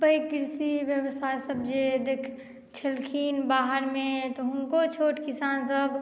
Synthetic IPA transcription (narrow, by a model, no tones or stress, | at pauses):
bɐikɪɾsiʋjəwsaːjsɐbd͡ʒed̪eːkʰ | t͡ʃʰɐlkʰiːnbaːɦəɾmẽt̪oɦũkot͡ʃʰoːʈkɪsaːnsəb